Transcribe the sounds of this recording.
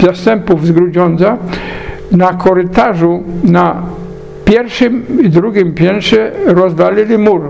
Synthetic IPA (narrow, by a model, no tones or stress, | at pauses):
zast̪ɛmpuvzɡɾud͡ʑɔnt̪sa | nakʰɔɾɪt̪aʐuna | pʲjɛɾʂɘmid̪ɾuɡʲimpʲjɛnʂɛɾɔzd̪alʲilʲimuɾ